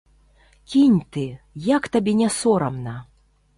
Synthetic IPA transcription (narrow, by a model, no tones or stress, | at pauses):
kʲinʲt̪ɨ | jakt̪abʲɛnʲasɔɾɐmnɐ